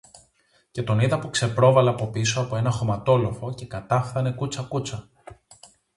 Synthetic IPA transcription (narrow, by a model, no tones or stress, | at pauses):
ce̞t̪o̞niðɐpukse̞pɾo̞vɐleɐpo̞pisoɐpoe̞nɐxo̞mɐt̪o̞lo̞fo̞ce̞kɐt̪ɐfθɐne̞kut͡sɐkut͡sɐ